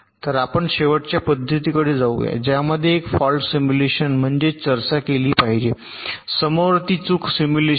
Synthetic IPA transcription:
t̪əɾapəɳɕeʋəʈt͡ɕjapəd̪ʱːət̪ikəɽed͡zauʋja̰d͡ʑjaməd̪ʱːjeːkfɔlsimjuleɕənm̤əɳd͡ʑet͡səɾt͡ɕakeliːpaɦid͡ʑe | səməʋɾt̪iːt͡sukʰsimjule

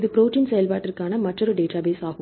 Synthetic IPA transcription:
ðɯpɾoːʈiːnsɛjɐlpaːʈːɪrkaːnɐmɐʈrɔɾɯɖeːʈaːbeːsaːɣɯ

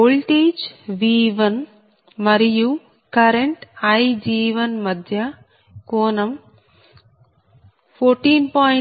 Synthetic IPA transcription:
oːlʈeːd͡ʒʋiːʋɐn | mɐɾiju | kɐɾeɳʈɐjd͡ʒiːʋɐnmɐd̪ʱjɐ | koːnɐm | pʰoːɾʈiːnpaː

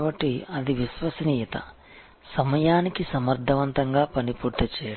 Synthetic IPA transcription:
bɐʈːiɐd̪iʋisʋɐsɐniːjɐt̪ɐ̰ | sɐmɐjaːnikisɐmɐɾd̪ʱɐʋɐnt̪ɐŋɡaːpɐnipuːɾt̪it͡ʃɛːjɐ

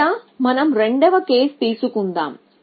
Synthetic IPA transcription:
aːmɐnɐmɾeɳɖɐʋɐke̞ːst̪iːsukund̪a̰ːm

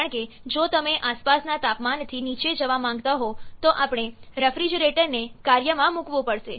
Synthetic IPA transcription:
əɳke | d͡ʒot̪əmeʔaspasnat̪apmant̪ʰinit͡ʃed͡ʒəʋamãŋ̆ɡt̪aɦot̪oʔapɳ̃eɾəfɾid͡ʒɾeʈəɾnekaɾjəmãmukʋũpəɽʃe

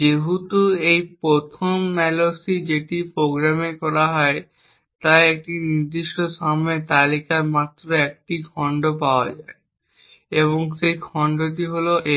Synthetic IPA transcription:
d͡ʑeɦut̪uejpɾot̪ʰomːɛlosid͡ʑeʈipɾoɡɾamekɔɾaɦɔe | t̪aek̚ʈiniɾd̪iʃʈoʃamet̪alikaɾmat̪ːɾoek̚ʈikʰɔɳɖopaoa̰d͡ʑae | eβoŋʃejkʰɔɳɖoʈ̬iɦoloʔe

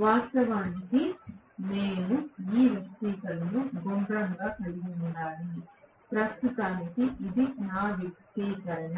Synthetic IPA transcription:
ʋaːsst̪ɐʋaːniki | ne̞ːnuiːʋjɐkʈiːkɐlɐnuɡombɾɐŋɡaːkɐliɡiuɳːaːni | pɾɐsukaːnikiʔid̪inaːʋjɐk̚t̪iːkɐɾɐn

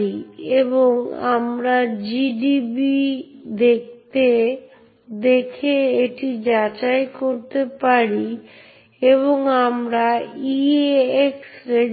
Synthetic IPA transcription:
ieboŋa̰mɾad͡ʑiɖibid̪ek̚t̪e | d̪ekʰeeʈid͡ʑat͡ɕaekoɾt̪epaɾi | eβoŋamɾaieeksɾe

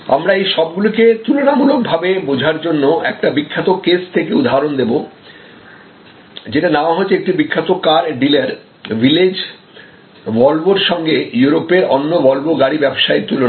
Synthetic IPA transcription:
a̰mɾaejʃɔbɡuliket̪ulonamulok̚bʱabebod͡ʑʱaɾd͡ʑonːoɛk̚ʈabikʰːat̪okest̪ʰekeud̪ʱaaɾond̪ebo | d͡ʑeʈanaoaɦot͡ɕʰːeek̚ʈibikʰːat̪okaɾɖilaɾ | viled͡ʑ | vɔlboɾʃɔŋɡejuɾopeɾɔnːobɔlboɡaɽibɛbʃaet̪ulona

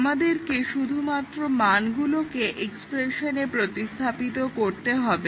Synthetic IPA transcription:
mad̪eɾkeʃud̪ʱumat̪ːɾomanɡulokeʔekspɾeʃonepɾot̪ist̪ʰapit̪okoɾt̪eɦɔbe

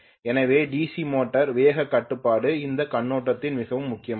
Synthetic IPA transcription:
ɛnɐʋeːɖiːsimoːʈːɐɾʋeːɣɐkːɐʈːɯpːaːɽɯɪnd̪ɐkɐɳːoːʈːɐt̪ːɪnʋɪɣɐʋɯmːʊkːɪjɐm

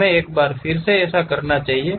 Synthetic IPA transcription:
ẽeːk̚baːɾfʰɪɾseɛːsakɐɾnat͡ʃaːɦie

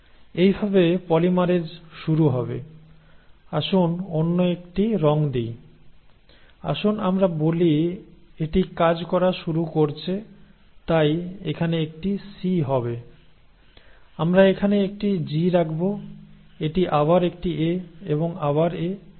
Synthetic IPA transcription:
ejbʱabepɔlimaɾed͡ʑʃuɾuɦɔbḛ | aʃunonːoekʈiɾɔŋd̪ij | a̰ʃunamɾabolieʈikad͡ʑkɔɾaʃuɾukoɾt͡ɕʰe | t̪ajekʰaneek̚ʈisiɦɔbe | amɾaekʰaneek̚ʈid͡ʑiɾakʰbo | eʈiʔabaɾek̚ʈieeboŋaβaɾe

